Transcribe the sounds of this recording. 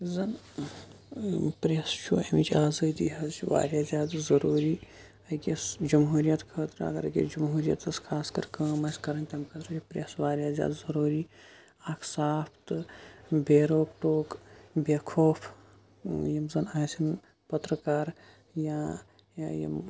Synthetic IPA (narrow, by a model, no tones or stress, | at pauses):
zɐn | pɾʲɐst͡ʃʰṵɐ̰mit͡ʃʰaːzɐːd̪iɦɐzt͡ʃʰiʋa̰ːɾʲjaːzʲjaːd̪zɐɾuːɾiː | ɐkʲesd͡ʒɐmɦuːɾijɐt̪kʰɐːt̪ɾɐ̰ɡɐ̰ɾɐɡʲḛd͡ʒɐmɦuːɾjɐ̰t̪ɐskʰaːskɐɾkɐːmɐsʲkɐɾɐnt̪ʲɐmkʰɐt̪ɾɐt͡ʃʰipɾʲɐːsʋaːɾʲjaːzʲja̰ːd̪zɐɾuːɾiː | aːkʰsaːpʰt̪ɨbeːɾoːkʈoːkbekʰoːfʰ | jɐmzɐnaːsʲin | pɐt̪ɾɐkaːɾ | jaː | jɐ̰m